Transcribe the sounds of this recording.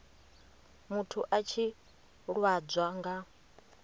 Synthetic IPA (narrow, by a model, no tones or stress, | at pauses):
mutʰuʔat͡ʃʰi | ɺwad͡zʷwaŋɡa